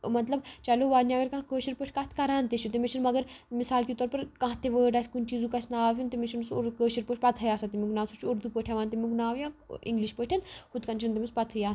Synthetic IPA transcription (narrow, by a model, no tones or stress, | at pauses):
mɐt̪lɐbt͡ʃɐloʋaːniɐɡɐɾkãkəːʃiɾpəːʈʰʲkaːt̪ʰkɐɾaːnt̪eʃʰut̪emit͡ʃʰinmɐɡəɾmisaːlkʲit̪ɔːɾpɐɾkãːɦt̪eʋəːɖaːsʲkunʲt͡ʃiːzũkɐsʲnaaːʋʲunt̪emit͡ʃʰinusɾkəːʃiɾpəːʈʰʲpɐt̪ʰɐjaːsat̪imʲiɡunaːʋsut͡ʃʰoɾd̪upəːʈʰjaʋaːnt̪emiɡunaːʋjãːḭŋɡliʃpəːʈʰɐnhʰud̪kɐnt͡ʃʰint̪emʲispɐt̪ʰɐjaː